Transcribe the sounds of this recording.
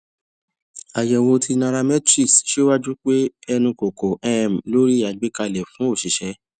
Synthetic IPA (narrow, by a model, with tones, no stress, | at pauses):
a˨jɛ˨wo˧tʰi˧nã˧ɾa˧mɛ˦tɾi˦˨sʃe˦wa˦d͡ʒu˦k͡pe˦ɛ˧nũ˧ko˨ko˨ɛ˦˨m̩˨lo˦ɾi˦˨a˨ɡ͡be˨˦ka˧lɛ˨fũ˨˦o˦˨ʃi˨ʃɛ˧